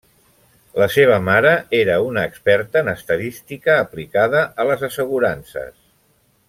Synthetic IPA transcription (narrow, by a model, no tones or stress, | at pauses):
ləseβ̞əmaɾəeɾəunəːkspɛɾt̪ənəst̪əðist̪ikəːplikaðəʔələzəsəɣ̞uɾansə̰s